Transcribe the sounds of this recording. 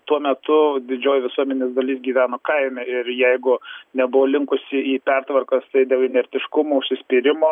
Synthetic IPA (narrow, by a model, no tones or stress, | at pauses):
t̪uɔmʲɛt̪ʊd̪ʲɪd͡ʒʲoːjʋʲɪsuɔmʲɛnʲeːsd̪ɐlʲiːsɡʲiːʋʲæːnoːkɐɪmʲɛɪɾjɛɪɡʊnʲɛbʊʋoːlʲɪŋkʊsʲɪiːpʲɛrt̪ʋɐrkɐst̪ɐɪd̪ʲeːlˠɪnʲɛɾʲt̪ʲɪʃkʊmoːʊʃʲsʲɪsʲpʲɪɾʲɪmoː